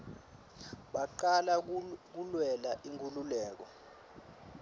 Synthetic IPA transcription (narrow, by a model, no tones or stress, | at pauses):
ɓaǃalak̬ulwɛlaʔiŋkʰʼululɛːk̬ɔ